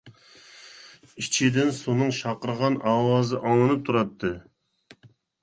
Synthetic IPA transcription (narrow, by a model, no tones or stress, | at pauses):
it͡ʃʰid̪ɪnsonɨŋʃɑqəɾəʁɑnʔɑːwɑːzɨʔɑŋɨnɨp̚t̪ʰuɾɑt̪ʰːɨ